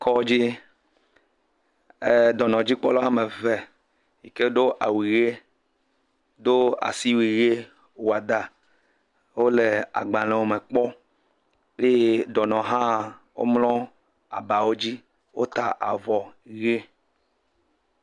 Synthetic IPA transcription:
kʰɔ˦d͡ʑi˦ | e˦d̪ɔ˨nɔ̃˨d͡ʑi˦k͡pɔ˦lɔ˦a˦me˨ve˨ | ji˨ke˦ɖo˦ʔa̰˨wi˨ɣe˦ | d̪o˦a̰˨si˦wi˨ɣe˦ | wo˨a˨d̪a˨ | wo˦le˨a̰˨ɡ͡bã˨lɛ̃˨wo˦me˨k͡pɔ˦ | je˦˨d̪ɔ˨nɔ̃˨ɦã˦˨wo̰˦mlɔ̃˦ | a̰˨ba˨wo˦d͡ʑi˦ | wo̰˦t̪a˦ʔa̰˨vɔ˨˦ɣe˦

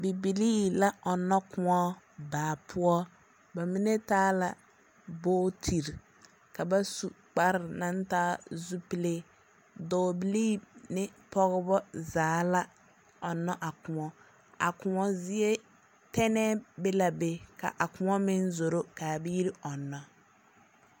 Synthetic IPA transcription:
bi˨bi˨liː˦la˦ɔ˨nːɔ˦kʊ˦ŋɔ˦ | baː˨pʰʊ˦ɔ˦ | ba˨mi˦ne˦taː˦la̰˨ | boː˦tʰi˨ɾ | ka˨ba˦su˨ | k͡pa˦ɾɪ˨na˦ntaː˦zu˦pi˦le˦ | dɔː˨bi˨liː˦nɪ˦pɔ˦ɣɪ˦bɔ˦zaː˨˦la˦ | ɔ˨nːɔ˦ʔa˨kʊ˨ŋɔ˦ | a̰˨kʊ˨ŋɔ˦zɪ˦e˦ | tɛ˦nɛ˦be˦la˨be˨ka̰˨ʔa˨kʊ˦ŋɔ˦mɪ˦nzo˨ɾo˦ka˨bi˦i˦ɾi˦ɔ˨nːɔ˦

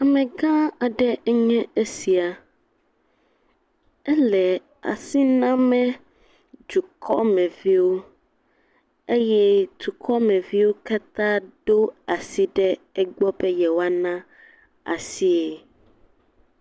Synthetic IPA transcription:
a˨mɛ̃˨ɡã˦a˨ɖɛ˦ɛ˦ɲɛ̃˦e˦si˨a˨ | ɛ˦lɛ˨ | a̰˨si˦nã˦mɛ̃˦ | d͡ʒu˨kʰɔ˦mɛ̃˨vi˦wo˦ | e˦jɛ˦t̪u˨kʰɔ˦mɛ̃˨vi˦wo˦ka˦t̪ã˦ɖo˦a˨si˦ɖɛ˦ɛ˦ɡ͡bɔ˦bɛ˦jɛ˨wa˦nã˦ | a̰˨si˦e˨

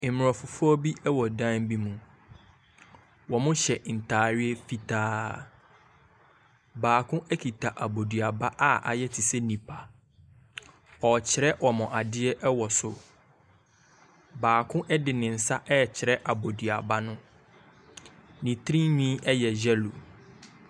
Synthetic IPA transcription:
m˨ɔ̃˨fʊ˨fʊ˦ɔ˦bi˦ɛ˦wɔ˨dã˦m˦bi˦mũ˨ | wɔ˨mʊ̃˦ɕɛ˨n̩˨tʰaː˨ɾɪ˦ɛ˦fi˨tʰaː˦ | baː˨kʰʊ̃˦ʔɛ˦kʰi˨tʰa˨ʔa˨bo˨di˨a˨ba˦ʔa˦ʔa̰˨jɛ˦tʰi˨sɛ˦nĩ˨pʰa˨ | ɔ˨t͡ɕʰɪ˨ɾɛ˦wɔ˨mʊ̃˨ʔa˨dɪ˦ɛ˦ʔɛ˦wɔ˨sʊ˨ | baː˨kʰʊ̃˦ʔɛ˦dɪ˨nɪ̃˨n̩˨sa˦ʔɛ˦˨t͡ɕʰɪ˨ɾɛ˦ʔa˨bo˨di˨a˨ba˦nʊ̃˦ | nĩ˨tʰɾĩ˦ɲĩ˦ʔɛ˦jɛ˨d͡ʑɛ˦lo˨

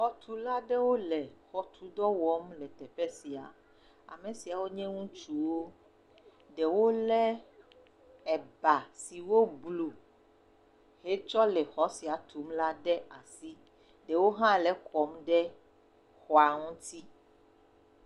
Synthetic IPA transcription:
xɔ˦t̪ʰu˦la˦ɖɛ˦wo˦lɛ˨xɔ˦t̪ʰu˦d̪ɔ˦wɔ˦mlɛ˨t̪ɛ˨ɸɛ˦si˨a̰˨ | a̰˨mẽ˨si˨a˨wo˦ɲɛ̃˦ŋũ˦t͡ʃu˦wo˦ | ɖɛ˨wo˦lɛ˦ | ɛ˨ba˨si˨wo˦blu˨ | he˦t͡ʃɔ˦lɛ˨xɔ˨˦si˨a˨t̪ʰu˨˦mla˦ɖɛ˦a˨si˦ | ɖɛ˨wo˦ɦã˦lɛ˦kʰɔ˨˦mɖɛ˦ | xɔ˨a˨ŋũ˦t̪i˦

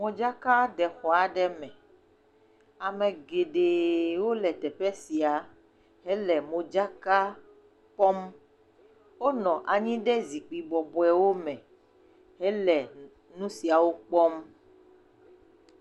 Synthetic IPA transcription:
mɔ̃˨d͡ʒa˦ka˦ɖɛ˨xɔ˨a˨ɖɛ˦mɛ̃˨ | a˨mɛ̃˨ɡe˨ɖe˨wo˦lɛ˨t̪ɛ˨ɸɛ˦si˨a˨ | ɦɛ˦lɛ˨mõ˨d͡ʒa˦ka˦ | k͡pɔ˦m | wo˦nɔ̃˨ʔa˨ɲĩ˦ɖɛ˦zi˨k͡pi˨bɔ˨bɔ˨ɛ˨wo˦mɛ̃˨ | ɦɛ˦lɛ˨ | nũ˦si˨a˨wo˦k͡pɔ˦m

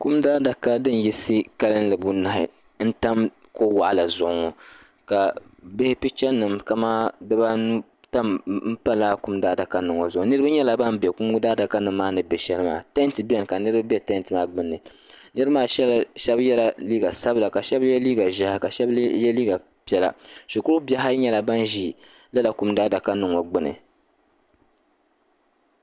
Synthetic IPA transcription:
ku˦mdaː˦da˨ka˦dɨ˦n˨ji˦sɨ˦ka˦lɨ˦n˦lɨ˨bu˦na˨hɪ̰˨ | n̩˦ta˦m | ko˦wa˨ʔa˨la˨zʊ˨ʔʊ˨˦ŋɔ˨ | ka˨bɪ˦hɪ˦pi˦t͡ʃɛ˦nːɨ˨mka˨maː˦dɨ˦ba˦nu˦ | ta˦mm̩˦pa˦laː˦ku˦mdaː˦da˨ka˦nɨ˨ŋo˨zʊ˨ʊ˨˦nɨ˦ɾɨba˦ɲɛ˦la˨ba˦mbɛ˨ku˦m˦ɡʊ˦daː˦da˨ka˦nɨ˨mː˦aː˦nɨ˨bɛ˨ʃɛ˦lɨ˦ma̰ː˦˨tɛ˦ntɨ˨bɛ˦n˨ka˨nɨ˦ɾɨ˦ba˦bɛ˦tɛ˦n˦tɨ˨maː˦ɡ͡bɨ˦nːɨ˨ | nɨ˦ɾmaː˦ʃɛ˦lʃɛ˦bjɛ˦la˨liː˦ɡa˨sa˦bɨ˨la˨ka˨ʃɛ˦bjɛ˦liː˦ɡa˨ʒa˦ha˨ka˨ʃɛ˦bjɛ˦liː˦ɡa˨ | pi˨˦ɛ˦la̰˨ʃu˨kʊ˦ʊ˦bɛ˦ɦa˦ɲɛ˦la˨ba˦nʒiː˦ | la˦la˨ku˦mdaː˦da˨ka˦nɨ˨ŋo˨ɡ͡bɨ˦nɨ̰˨

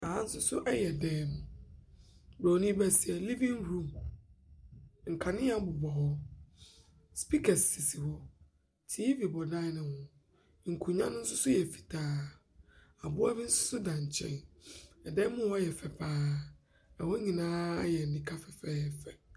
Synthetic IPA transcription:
a˨ã˦n̩˦sʊ˦sʊ˦ʔɛ˦jɛ˨dɛː˦mʊ̃˨ | bɾa˨nĩ˦bɛ˦sɪ˨ɛ˨li˦vĩ˦nɾũ˦˨m | ŋ̩˨kʰa˨nɪ̃˦ja˦bʊ˨bɔ˨hɔ˦ | spi˦kʰɛ˨ssi˨si˨hɔ˦ | tʰi˦vi˨bɔ˨dã˦nɪ̃˨hʊ̃˨˦ | ŋ̩˨kʰu˨ɲã˦nʊ̃˦n̩˦sʊ˦sʊ˦jɛ˨fi̥˨tʰaː˦ | a˨bʊ˦a˦bi˦n̩˦sʊ̥˦sʊ˦dã˨ɲ̩˨t͡ɕʰɛ̰̃˦˨nɛ˨dɛː˦mʊ̃˦ɔ˦jɛ˨fɛ˨pʰaː˦ | ɛ˨wɔ˦ɲĩ˨nãː˦jɛ˨n˨nĩ˨kʰa˦fɛ˨fɛː˦ɛ˨fɛ˨

